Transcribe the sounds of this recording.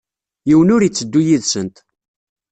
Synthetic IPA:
jiwənʊɾjit͡sːəd̪ːujiðsənt̪

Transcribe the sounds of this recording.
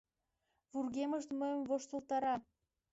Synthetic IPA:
βurɣeməʃt̪məjəmvoʃt̪olt̪ɑɾɑ

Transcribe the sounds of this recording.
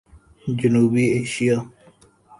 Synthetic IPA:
d͡ʒənuːbieːʃija

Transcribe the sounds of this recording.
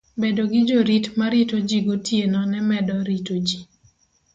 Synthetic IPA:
bedoɡɪd͡ʒoɾitmaɾitod͡ʒiɡotjenɔnɛmɛdɔɾitod͡ʒi

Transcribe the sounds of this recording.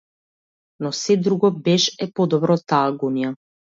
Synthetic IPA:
nɔsɛd̪ɾuɡɔbɛʃɛpɔd̪ɔbɾɔt̪ːaːɡunija

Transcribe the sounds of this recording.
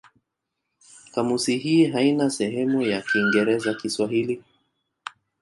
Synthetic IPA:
kamusiɦiːɦainasɛɦɛmujakiːŋɡɛɾɛzakiswaɦili

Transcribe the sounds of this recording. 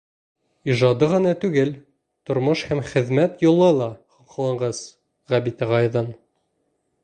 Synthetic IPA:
iʒɑd̪ɤʁɤ̆nɑt̪ʉɡɘl | t̪ŏɾmoʃhæmχɘ̆ðmæt̪jŭlˠːɤlˠɑχŏqlˠɑɴɢɑs | ʁæbit̪æʁɑjðɤn

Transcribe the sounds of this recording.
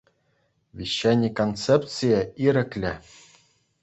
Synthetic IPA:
ʋʲiɕːænʲːikont͡sep̪t͡sɨjəiɾʲɘ̆klʲɘ̆

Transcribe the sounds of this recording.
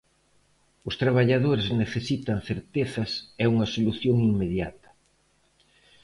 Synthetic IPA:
ʊst̪ɾaβaʎaðoɾɪzneθesit̪ɐŋθeɾt̪eθɐsɛuŋɐsoluθjoŋimmeðja̰t̪ɐ̥

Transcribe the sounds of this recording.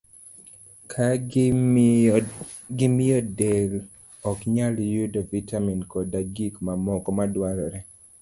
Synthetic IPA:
kʰa | ɡɪmɪjɔdel | ɔkɲaljudɔvitaminkɔdaɡikmamɔkɔmadwaɾɔɾɛ

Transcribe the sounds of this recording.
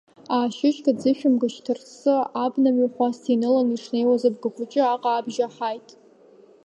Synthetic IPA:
aːʃɪt͡ʃʼkʰad͡zɨʃᶣʊmɡaʃtʰɨrsɨabnamiχʷastʰinɨlaniʂne̞jwazab̚ɡɨχʷʊt͡ʃʼɪaqʼaːbʒaħajtʼ

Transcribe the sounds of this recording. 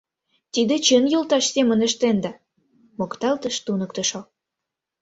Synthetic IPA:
t̪id̪et͡ɕənjolt̪ɑʃsemə̆nə̆ʃt̪end̪ɑ | mokt̪ɑlt̪əʃt̪unək̚t̪ə̆ʃo

